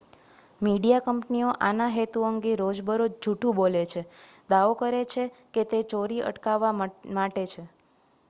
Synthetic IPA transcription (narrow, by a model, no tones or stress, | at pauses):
miɽijakəmpnioʔanaɦet̪uəŋɡeɾod͡ʒbəɾod͡ʒʱuʈʰũbolet͡ʃʰed̪aʋokəɾet͡ʃʰeket̪et͡ʃoɾiʔə̰ʈkaʋːamaʈet͡ʃʰe